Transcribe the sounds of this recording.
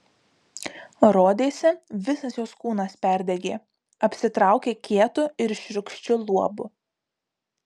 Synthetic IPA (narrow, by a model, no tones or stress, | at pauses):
ɾoːd̪ʲeːsʲɛʋʲɪsɐsjoːskuːnɐspʲæˑɾʲd̪ʲɛɡʲeː | ɐpʲsʲɪt̪ɾɑˑʊkʲeːkʲiɛt̪ʊɪɾʃʲɾʲʊkʃʲt͡ʃʲʊlˠuɔbʊ